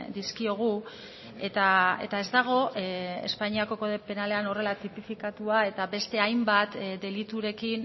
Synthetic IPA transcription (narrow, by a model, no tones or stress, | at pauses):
d̪iskio̞ɣ̞u | et̪aḛt̪ae̞zd̪aɣ̞o̞ḛspaɲiako̞ko̞ðe̞pe̞nale̞ano̞re̞lat̪ipifikat̪uae̞t̪aβe̞st̪e̞ajmbat̪d̪e̞lit̪uɾe̞kin